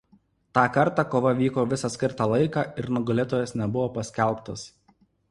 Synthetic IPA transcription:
t̪ɑːkɐɾt̪ɑːkoːʋɐʋʲiːkoːʋʲɪsɐsʲkʲɪɾt̪ɑːlˠɐɪkɑːɪɾnʊɡɐlʲeːt̪oːjɛsnʲɛbʊʋoːpɐsʲkʲɛlˠˑpt̪ɐs

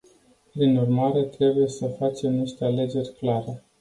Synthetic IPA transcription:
pɾinurmaɾe̞t̪ɾe̞buje̞səfat͡ʃe̞mniʃt̪e̞ale̞d͡ʒe̞rʲklaɾe̞

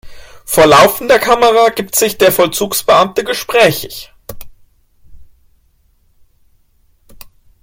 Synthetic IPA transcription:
foːɐlaʊfn̩deːɐkʰaməʁaɡiːp̚tz̥ɪçd̥eːɐfɔlt͡suːksb̥əʔamtəɡəʃpʁ̥ɛːçɪç

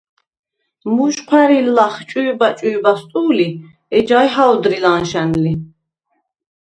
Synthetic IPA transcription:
muʃqʰwæɾilːaχt͡ʃʼujbat͡ʃʼujbast̪ʼuːli | ɛd͡ʒajɦaɔd̪ɾilanʃɛnli

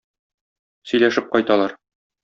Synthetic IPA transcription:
sɵ̆jlæʃɘp̚qɒjt̪ɑlˠɑɾ

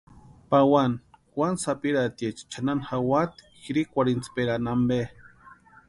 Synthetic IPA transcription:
pawanxwansapiɾat̪jet͡ʃi̥t͡ʃʰananxawat̪ | xiɾikʷaɾint͡speɾanambe

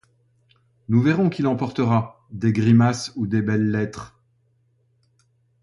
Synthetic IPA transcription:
nuvɛʁɔ̃kʲilɑ̃pɔʁt̪əʁa | d̪eɡʁimasud̪ebɛlːɛt̪χ

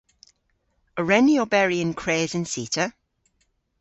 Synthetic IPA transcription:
əɹɛniobɛɹiə̃nkʰɹ̥eːzə̃nsiˑtʰə

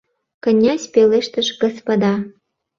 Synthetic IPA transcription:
kə̆nʲːɑsʲpeleʃt̪ə̆ʃɡŏspɐd̪ɑ

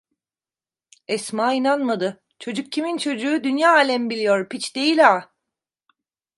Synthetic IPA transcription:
ɛsmaːinanmad̪ɯ | t͡ʃʰo̞d͡ʒuk̚cʰimint͡ʃʰo̞d͡ʒuːd̪ynjaːaːlʲɛmbilʲijo̞ɾpit͡ʃd̪e̞jilʲaː

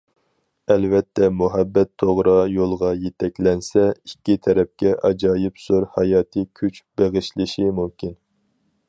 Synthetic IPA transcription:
ɛlvɛt̪ʰːɛmuɦɛbːɛt̪ʰːoʁɾɑjolˠʁɑjet̪ʰɛkʲlɛnsɛikʲːit̪ʰɛɾɛp̚kʲɛʔɑd͡ʒɑːjɪpsoɾhɑjɑːt̪ʰɨkʲʰyt͡ʃb̥eʁɨʃlɪʃimumkʲʰin

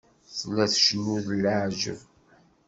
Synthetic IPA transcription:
θlːæθʃnuðlːəʕʒə̰v

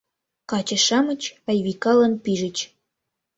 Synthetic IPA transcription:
kɑt͡ɕə̆ʃɑmə̆t͡ɕɑjβikɑlənpiʒə̆t͡ɕ

